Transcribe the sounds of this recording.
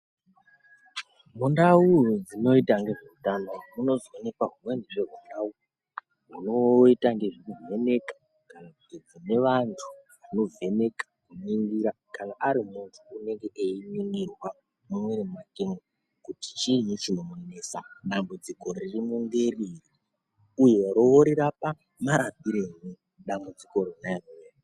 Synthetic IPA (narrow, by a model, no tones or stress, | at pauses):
mundawud͡zino̞itaŋɡe̞ʐe̞utanomuno̞zwonekaɦumwe̞ndiʐe̞ɦundau | munoitaŋɡe̞ʐikuve̞ne̞kḁ | kanakutid͡zine̞ʋantʰuʋano̞ve̞ne̞kḁkuniŋɡiɾa | kanaʔːɾimuntʰuːne̞ŋɡe̞ʔeiniŋɡirwa | mumweremakeŋa | kuti̥t͡ʃinut͡ʃinomenesa̰ɗambud͡ziko̞ɾirimuŋɡerirri | uje̞ɾooɾiɾapa | maɾabiɾeni | ɗambud͡ziko̞rinaanie